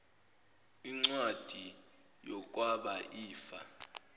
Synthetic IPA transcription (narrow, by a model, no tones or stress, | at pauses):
iŋ͡ǀwad̥ʱi | jɔk̬ʼwaɓaʔiːfa